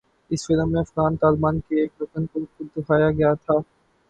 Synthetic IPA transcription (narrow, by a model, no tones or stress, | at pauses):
ɪsfɪləmːẽɐfɣaːnt̪aːlbaːnkeːkɾʊkənkokʊd̪ʊkʰaːjaɡɐjat̪ʰaː